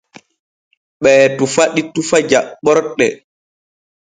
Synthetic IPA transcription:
ɓɛːtufaɗitufad͡ʒaɓɔɾɗɛ

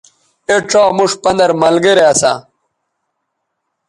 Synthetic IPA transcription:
eʈ͡ʂoːmuʂpɐnd̪ɐɾmɐlɡeɾeɐsa̰

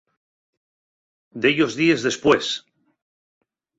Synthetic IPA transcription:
d̪eʎo̞zðie̞zðe̞spwe̞s

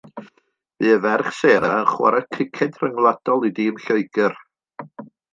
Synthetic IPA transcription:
v̥ɨːəvɛrχseːɾaəχwa̰ɾakʰɪkʰɛdrəŋlˠad̥ɔlˠidɪːmɬoɨɡ̥ər

